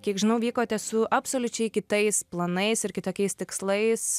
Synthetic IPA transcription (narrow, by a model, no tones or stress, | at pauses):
kʲiɛkʒʲɪnɐʊʋʲiːkoːt̪ʲɛsʊʔɐpsoːlʲʊt͡ʃʲɛɪkʲɪt̪ɐɪsplˠɐnɐɪsɪɾkʲɪt̪oːkʲɛɪst̪ʲɪkslˠɐɪs